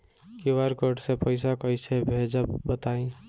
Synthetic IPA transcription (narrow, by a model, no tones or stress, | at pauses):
kiwaɾkoʈsẽpəɪsakəjsebʱed͡ʒəbət̪aĩ